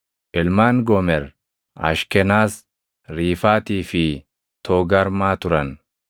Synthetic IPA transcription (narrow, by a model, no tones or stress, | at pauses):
ʔɪlmaːnɡɔmɛɾ | ɐ̰ʃkɛnaːs | ɾiːfaːt̪iːfɪ | t̪ʰoːɡɐɾmaːt̪ʊɾɐn